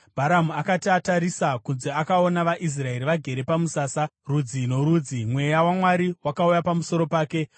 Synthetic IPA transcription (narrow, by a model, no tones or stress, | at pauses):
bʱaɾamuakatataɾisakunzeakao̞naʋaʔis̬rae̞ɾiʋaɡʱe̞ɾe̞pamusaːsarud͡zino̞ɾuːd͡zimwe̞jawamwaɾiwakaujapamuso̞ɾo̞paːke̞